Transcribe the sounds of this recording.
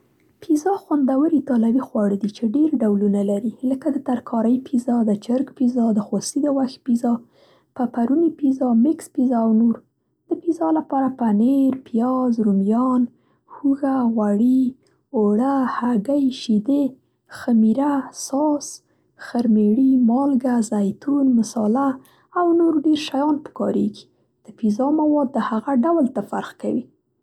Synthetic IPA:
pʰizɑxwand̪awəɾit̪ɑlawixwɑɽəd̪it͡ʃeɖeɾɖawlunalaɾiləkad̪ət̪aɾkʰɑɾəjpʰizɑd̪ət͡ʃəɾɡpizɑd̪əxosid̪əwax̚pizɑ | papaɾunipizɑmɪkspizɑawnoɾ | d̪̥əpizɑlapɑɾapaneɾpijɑzɾumjɑn | huɣaɣwaɽi | oɽahaɡajʃid̪e | xamiɾasɑs | xəɾmeɽimɑlɡazajt̪unməsɑlaː | wnoɾɖeɾʃajɑnpə̥kɑɾeɡi̥ | d̪̥əpizɑmawɑd̪̚ːəhaɣaɖawlt̪afa̰ɾxkawi

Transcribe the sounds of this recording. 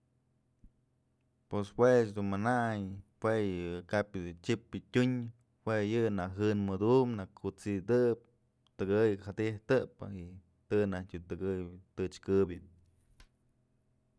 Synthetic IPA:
peshwet͡ʃd̪unmanajpwejɨkapjɨd̪ut͡ʃipɨtʲuɲ | hwejɨnaɦɨnmɨd̪umnakʰut͡sid̪ɨʔp̚ | t̪ɨɡɨjhad̪iht̪ɨpɨ̰i | t̪ɨnahtʲut̪ɨɡɨjt̪ɨt͡ʃkɨbjɨ

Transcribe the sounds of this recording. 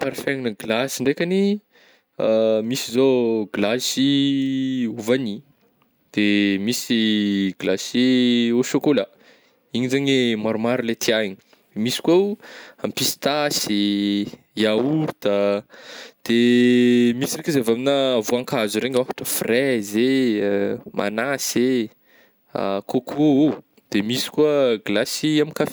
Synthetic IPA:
paɾifaŋinəɡlasiɳɖ͡ʐekʲani | misizoɡlasi | uvani | d̪̥emisiɡlaseoʃokola | iɲizaɲemaɾumaɾulet̪ʰiaɲi | d̪emisi̥kwowampisi̥t̪ase | jauɾt̪a | d̪̥e | misirekʲizeavaminavoaŋkazuɾeɲafḁʈ͡ʂəfrɛze | mʔa̰nase | a̰kʰokʰoo | d̪̥emisi̥kwəɡlasiamikaf

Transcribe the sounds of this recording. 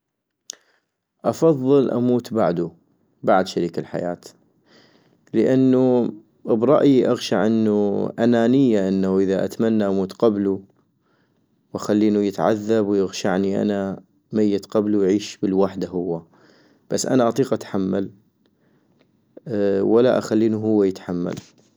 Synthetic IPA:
ʔɑfɑðˤːɨlʔa̰muːt̪baʕd̪u | baʕd̪ʃaɾiːkalħa̰ja̰ːt̪ | ləʔanːu | bɾˤɑʔjiʔaɣʃaʕʔɪnːuʔanaːnɪjːaʔɪnːaʔəðaʔa̰t̪manːaʔamuːt̪qɑblu | wʔaxalːiːnujɪt̪ʕa̰ðːabwjɪɣʃaʕniʔa̰na | majːɪt̪qɑblujʕiːʃbəlwaħd̪ahʊwːa | b̥asːʔa̰naʔɑt̪ˤiːqʔat̪ħamːal | walaʔaxalːiːnuɦʊwːajɪt̪ħamːa̰l

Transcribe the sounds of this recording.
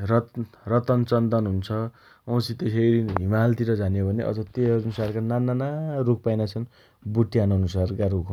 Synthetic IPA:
rʌrʌt̪ʌnt͡sʌnd̪ʌnɦunt͡sʰʌ | ʌ̃w̃sit̪esejɾinɦimalt̪iɾʌd͡zanjobʱʌneʔʌ̰d͡zʌt̪eʌnusarkanananaruk̚ʰpajnat͡sʰʌn | buʈːijanʌnusarkaɾukʰ

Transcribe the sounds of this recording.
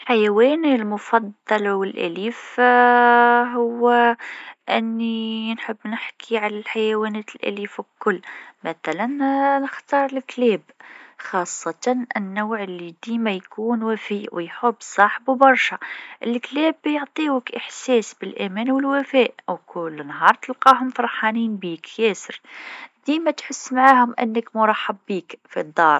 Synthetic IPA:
ħajæwɛnlmʊfɑd̪ˤːɑlwəlʔæ̰liːf | ɦʊwː | ʔɪnːinħəbːnəħkʰiʕalælħajæwænɛt̪əlʔæ̰liːfkʊlːmæθælænnəxt̪ɑːɾˤəlklɛːbxɑsˤːɑt̪ɑnʔə̰nːawʕəlːid̪imæjkuːnwæfiwəjħʊbːsˤɑħəbubɑɾˤʃæʔəlklæbjoʕt̪ˤiwəkʔəħsæsbəlʔæmænwəlwæfæʔwkʰʊlːnɦɑɾˤt̪əlqɑhʊmfɑɾˤħɑniːnbikːæsəɾd̪̥imæt̪ħʊsːmaʕahʊmʔə̰nːəkmʊɾˤɑħːɑbːiːkfid̪ˤːɑɾˤ

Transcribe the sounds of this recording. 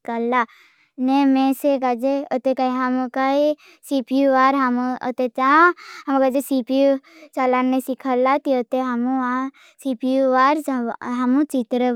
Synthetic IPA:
kalːa | nemẽsekad͡ʒeət̪ekaiɦamkai | sipijuʋaɾɦamət̪et͡ʃãɦamkad͡ʒesipijut͡ʃalanːẽsikʰalat̪iət̪eɦamuã | sipijuʋaɾɦamũt͡ʃit̪ɾə

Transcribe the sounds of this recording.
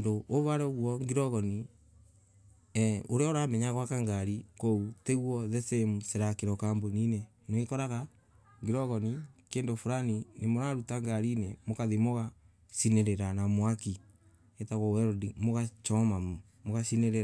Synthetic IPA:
ndooβaɾɛɣwɔŋɡiɾɔɣɔni | oɾeɔoɾamɛɲaɣwakaŋɡaɾikɔuteɣwɔðɛsemuseɾakeɾɔkamboninɛ | nwekɔɾaɣa | ŋɡiɾɔɣɔnikeːndofuɾaninemoɾaɾutaŋɡaɾiːnɛmokaðemoɣa | sineɾeɾanamwaki | etaɣɔɛɾɔdimoɣat͡ʃɔma | moɣasineɾeɾa

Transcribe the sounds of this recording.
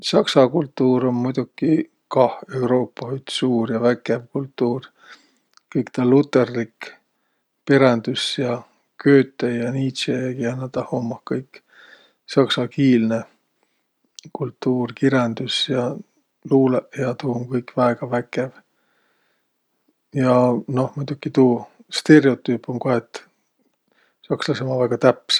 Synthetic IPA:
sɑksɑkult̪ːuːɾo̞nmujd̪ukːˑi | kɑhe̞wɾo̞ːpːɑhyt̪suːrjɑvækːevkult̪ːuːr | kɤjkt̪ɑlːut̪ˑːe̞rlik | peɾend̪̥usjɑ | kø̞ːt̪ːˑejjɑniːt̪seekienːɑt̪ɑhomːɑhkɤjkː | sɑksɑkiːlne̞ | kult̪ːuːrkiɾend̪̥usjɑ | luːleʔjɑt̪uːŋkɤjkvæeɡ̥ɑvækːe̞v | jɑno̞hmut̪ukːˑit̪uːst̪e̞reo̞t̪ːˑyːpːoŋkohet̪ː | sɑkslɑsemɑvæɡ̥ɑt̪æpːˑs

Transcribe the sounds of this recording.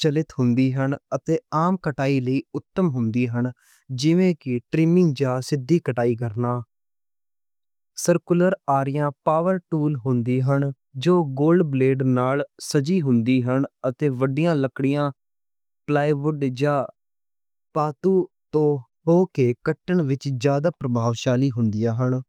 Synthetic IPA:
t͡ʃəlɪt̪hʊnd̪iːɦəɳət̪eːaːmkəʈaːiːləiːʊt̪ːəmɦʊnd̪iːɦən | d͡ʒɪʋẽːkɪʈɾɪmɪ̃ŋd͡ʒaːsɪd̪ːiːkəʈaːiːkəɾnaː | səɾkləɾaːɾɪjãːpaːʋəɾʈuːlɦʊnd̪iːɦən | d͡ʒoːɡoːlɖbleːɖnaːlsəd͡ʒiːɦʊnd̪iːɦənət̪eːʋəɖɪjãːləkɽɪjãː | plaːiʋʊɖd͡ʒaː | paːt̪uː | t̪õː | ɦoːkeːkəʈːəɳʋɪt͡ʃd͡ʒjaːd̪aːpɾəbʱaːʋʃaːliːɦʊnd̪ɪjaːɦən

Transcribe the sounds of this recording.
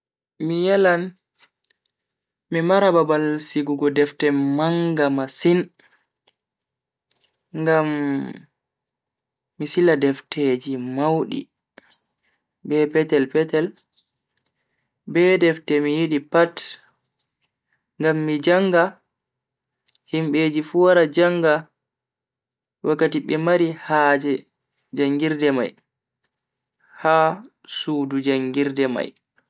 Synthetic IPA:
mijɛlan | mimaɾababalsiɡuɡɔdɛftɛmaŋɡamasin | ŋɡam | isiladɛftʰeːd͡ʒimawɗḭ | bɛpɛtɛlpɛtɛl | bɛdɛftɛmijiɗipat | ŋɡamːid͡ʒaŋɡa | himɓeːd͡ʒifuwaɾad͡ʒaŋɡa | wʔakːatiɓɛmaɾihaːd͡ʒɛ | d͡ʒaŋɡiɾdɛma̰j | ha | suːdud͡ʒaŋɡiɾdɛma̰j

